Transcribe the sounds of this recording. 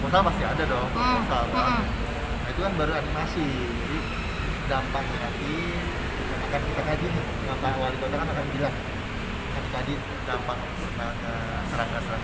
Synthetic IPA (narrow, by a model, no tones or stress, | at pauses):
mosalmasiadadɔsal | nait̪ukanbaɾuanimasɪ | d͡ʒadi | dampaŋ̚sənat̪i | akankit̪akad͡ʒin | makawaɾit̪at̪akanakanbilaŋ | kadikadi | dampaŋ | sərnakə | səɾakasəɾak